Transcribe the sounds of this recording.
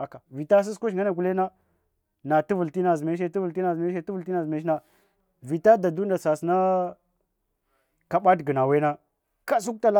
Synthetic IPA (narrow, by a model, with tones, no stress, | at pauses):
a˨ka˨vi˨ta˦s̬i˦sku˦ʃŋɡa˦na˨ɡu˨le˦na˦ | na˨tu˦vu˨lti˦na˨zme˦ʃ̬e˦ti˦vu˨lti˦na˨zme˦ʃe˦tu˦vu˨lti˦na˨zme˨˦ʃ̬na˨ | vi˨ta˦da˨du˦n˦da˨sa˨sna˦ | ka˨ɓa˦dɡə˨na˨we˦na˦ | ka˦s̬u˦k̚ta˦la˦